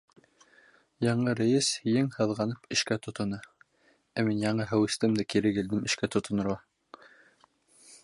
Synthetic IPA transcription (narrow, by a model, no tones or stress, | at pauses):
jɑɴɤɾæ̆jɘshjɘŋhɤ̆ðʁɑnɤpɘ̆ʃkæt̪ŏt̪ŏnɤ | æminjɑɴɤɦæwɘ̆st̪ɘmd̪ækiɾɘɡɘ̆ld̪ɘmɘ̆ʃkæt̪ŏt̪ŏnɤ̆ɾʁɑ